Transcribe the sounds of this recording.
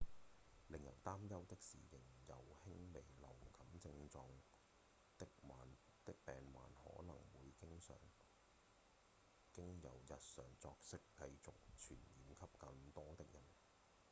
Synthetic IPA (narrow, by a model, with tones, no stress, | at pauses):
lɪ˨ŋjɐ̰˨˩wt̪aː˥mjɐ˥wt̪ɪ˥k̚siː˨jɪ˨˩ŋjɐ˨˩whɪ˥ŋle˨˩jlɐ˨˩wkɐ˨˥mt͡sɪ˧ŋt͡sɔː˧ŋ | t̪ɪ˥k̚maː˨n | t̪ɪ˥k̚pɛː˨nma̰ː˨nhɔ̰ː˨˥nɐ̰˨˩ŋwuː˨˧jkɪ˥ŋsœ̰ː˨˥ŋ | kɪ˥ŋjɐ̰˨˩wjɐ˨t̚sœː˨˩ŋt͡sɔː˧k̚sɪ˥kːɐ˧jt͡sʊ˨k̚t͡ʃʰyː˨˩njiː˨mkʰɐ˥p̚kɐ˧ŋt̪ɔː˥t̪ɪ˥k̚jɐ˨˩n